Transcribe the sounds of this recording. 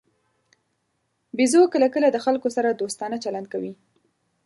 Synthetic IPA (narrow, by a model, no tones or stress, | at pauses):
bizokəlakəlad̪əxalkosaɾad̪ost̪ɑnat͡ʃaland̪̚kawi